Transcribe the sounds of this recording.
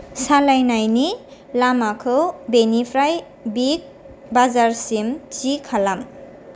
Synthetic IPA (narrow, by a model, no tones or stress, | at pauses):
salajnajni | lamakʰɯbenipʰɾaj | bik̚ | bazaɾsimt͡ʃikʰalam